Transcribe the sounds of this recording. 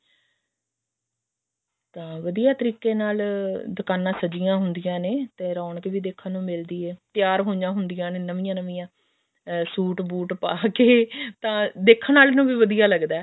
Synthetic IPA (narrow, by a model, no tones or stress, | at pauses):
t̪ãːʋəd̪ijaːt̪əɾiːkːeːnaːld̪əkaːnãːsəd͡ʒɪjãːɦʊnd̪ɪjãːneːt̪ẽːɾaːɳkeʋiːd̪eːkʰːãːnũːmɪld̪iːɛːt̪jaːɾɦõːd͡ʒãːɦʊnd̪ɪjãːneːnəʋɪjãːnəʋɪjãː | suːʈbuːʈpaːkeːt̪ãːd̪eːkʰːnaːlnũːʋiːʋəd̪ijaːləɡd̪aː